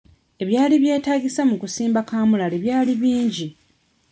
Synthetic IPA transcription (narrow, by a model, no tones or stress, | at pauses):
e̞βjaːliβje̞ːtaːɡisamukusiːmbakaːmulaleβjaːliβiːɲɟi